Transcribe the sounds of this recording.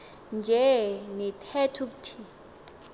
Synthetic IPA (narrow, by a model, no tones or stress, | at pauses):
nd͡ʒʱɛnɛtʰɛtʰuk̬utʰi